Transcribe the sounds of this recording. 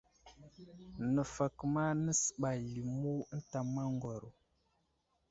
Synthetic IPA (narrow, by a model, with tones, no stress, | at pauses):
nə˨fa˨kma˦nə˦sɓa˨li˨mu˦n̩˦ta˨ma˦ŋɡo˨ɾo˨